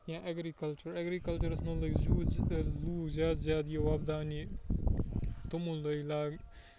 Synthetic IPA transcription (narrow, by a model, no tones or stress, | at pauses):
jãʔɐɡɾikɐlt͡ʃuɾɐɡɾiːkɐlt͡ʃɐɾɐsnɐ̃lɐɡzuːluːɡzjaːd̪zjaːd̪ijeʋabd̪aːni | t̪umũlɐilaːɡ